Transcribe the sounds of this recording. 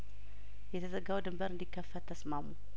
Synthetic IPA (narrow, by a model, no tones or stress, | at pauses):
jɛt̪ʰəzəɡawd̪ɨmbəɾɨnd̪ikʰːəfːət̪t̪ʰːəsmamu